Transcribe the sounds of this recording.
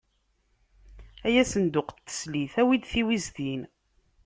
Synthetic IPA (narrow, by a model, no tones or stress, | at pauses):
æjæsənd̪ʊqt̪ːə̥sliθæwid̪θiwizðin